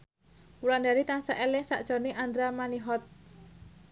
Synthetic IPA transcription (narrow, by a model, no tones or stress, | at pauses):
ulandaɾit̪aŋsaʔelɪŋsa̰ʔd̥ʒ̥ɔ̤neʔand̪ɾamaniɦɔt̪̚